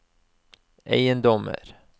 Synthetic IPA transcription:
ɛ̰jənd̪ɔmə̰ɾ

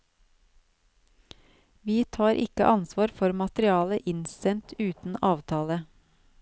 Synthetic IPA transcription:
ʋiːt̪ʰɑːɾʔɪkə̰ʔɑnsʋɑːɾfɔɾmɑt̪ɾɪɑːləʔɪnsɛnt̪ʰʉːt̪n̩ɑːʋt̪ʰɑːlə

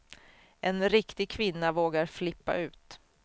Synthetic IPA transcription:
ʔɛnɾɪkt̪ɪɡ̚kʰvɪnːavoːɡaɾflɪpːa̰ʉ̟ːt̪

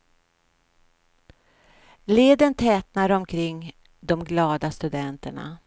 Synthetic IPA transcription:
leːd̪ənt̪ʰɛːt̪naɾɔmkʰɾɪŋː | d̪ɔmɡlɑːd̪ast̪ɵd̪ɛnt̪əɳa̰

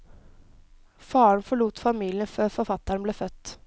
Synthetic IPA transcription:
fɑːəɳfɔɭuːt̪fɑmiːlɪənføːɾfɔɾfɑt̪ːɑɾbleːfœt̪ː

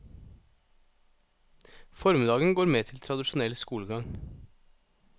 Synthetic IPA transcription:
fɔɾmɪd̪ɑːɡən̩ɡoːɾmeːt̪ʰɪlt̪ʰɾɑd̪ɪʃʊnɛlskuːləɡɑŋ

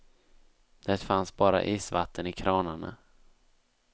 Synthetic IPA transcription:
d̪̥ɛt̪fansbɑːɾa̰ʔiːsvat̪ʰːənɪkʰɾɑːnaɳa̰

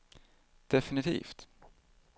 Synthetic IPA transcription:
d̪̥ɛfɪnɪt̪ʰḭːft̪

